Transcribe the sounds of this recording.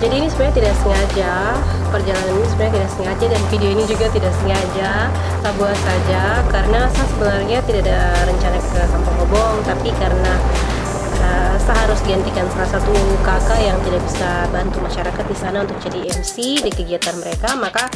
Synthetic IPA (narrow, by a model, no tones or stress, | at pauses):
d͡ʒadiːnisubaɲat̪idaʔsəŋad͡ʒa | pərd͡ʒalananinisubarɲat̪idaʔksəŋad͡ʒadanfidioinid͡ʒuɡat̪idaʔsəŋad͡ʒa | sabuasad͡ʒakaɾənasahsəbənarɲat̪idaʔadaɾəɲt͡ʃanakəkampɔŋɡɔbɔŋt̪apikaɾəna | əsaɦaɾʊsdiɡant̪ikansalasat̪uməmukakajaŋt̪idaʔbisabant̪umaʃaɾakat̪̚disanaunt̪ʊk̚t͡ʃadiɛmsidikəɡiat̪anməɾekamaka